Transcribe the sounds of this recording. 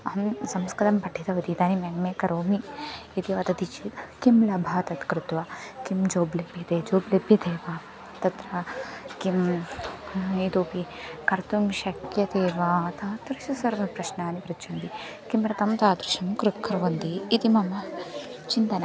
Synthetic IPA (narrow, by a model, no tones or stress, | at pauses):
ɐɐmsɐmskɾɐt̪ɐmpɐʈʰːit̪ɐʋɐd̪iːt̪aːnimenmekɐɾoːmiːt̪iʋɐt̪ɐt̪it͡ʃit̪kimlɐbʱaːt̪ɐt̪kɾɪt̪ʋɐkimd͡ʒoːblebjɐt̪eːd͡ʒoːblebjɐd̪eːʋa | t̪ɐt̪ɾɐkim | it̪oːpikɐɾt̪umʃɐkjɐd̪eːʋat̪ʰɐt̪ɾɐʃɐsɐɾʋɐpɾɐʃnaːnipɾɐt͡ʃɐnd̪i | kimɾɐt̪ɐmt̪aːd̪ɾuʃɐmkɾukʰːɐɾʋɐnd̪iːt̪imɐmɐt͡ʃint̪ɐna